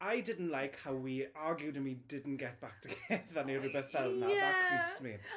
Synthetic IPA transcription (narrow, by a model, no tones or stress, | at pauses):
ajdɪdn̩ʔlajkhawwiaːɡjudɪmwidɪdn̩ɡ̥ɛt̚b̥ak̚tʰəɡeθaniɾɪbɛθbɛlnaaistəmin